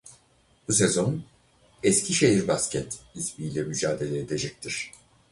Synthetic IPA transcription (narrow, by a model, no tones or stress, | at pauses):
bus̬e̞zo̞n | ɛscʰiʃe̞ɦiɾbascʲʰɛt̪isbiːlʲɛmyd͡ʒaːd̪e̞lʲeːd̪e̞d͡ʒɛc̚t̪ʰiɾ̥